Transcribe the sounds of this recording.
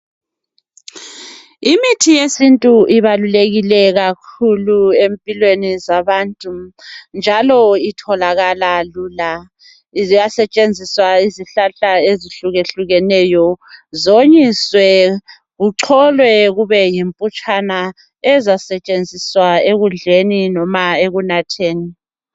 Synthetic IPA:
imitʰijesintʼuʔiβaluleɣilɛɣakʰuluempʼilwenizaβantʼund͡ʒʱalɔitʰɔlaɣalaluːla | jasɛt͡ʃʼend͡zʱiswaiziɬaɬaeziɬuɣeɬuɣɛnɛjɔzoɲiswɛ | ɣuǀʰɔlwɛɣuβɛjimpʼut͡ʃʼana | ɛzasɛt͡ʃʼend͡zʱiswaeɣund͡ɮʱeninɔmaeɣunatʰeːni

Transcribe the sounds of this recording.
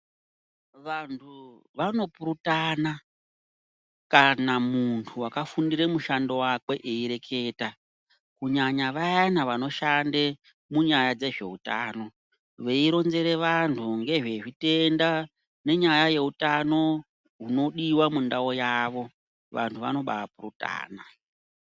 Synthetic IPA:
ʋantʰu | ʋano̞puɾutana | kanamuntʰuwakafundiɾemuʃando̞wakwe̞ʔeiɾe̞kʰe̞ːta | kuɲaɲaʋajanaʋano̞ʃande | muɲajad͡ze̞ʐe̞̰uta̰ːno̞ | ʋe̞iɾo̞nze̞ɾe̞ʋantʰuŋɡe̞ʐe̞ʐite̞nda | ne̞ɲajaje̞utano̞ | ɦuno̞ɗiwamundao̞jaːʋo̞ | ʋa̰ntʰuʋa̰no̞ɓa̰apuruta̰ːna

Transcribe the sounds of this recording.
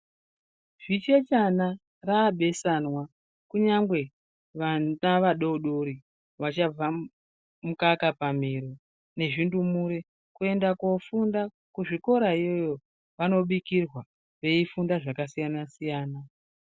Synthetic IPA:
ʐit͡ʃe̞t͡ʃana | raːɓe̞sanwa | kuɲaŋɡwe̞ | ʋaaʋaɗo̞uɗoɾi | ʋat͡ʃab͡va | mukakapam̤iɾo | ne̞ʐindumuɾe | kue̞ndako̞funda | kuʐiko̞ɾaijo̞jo̞ | ʋano̞ɓikirwa | ʋe̞ifundaʐakasijanasijaːna

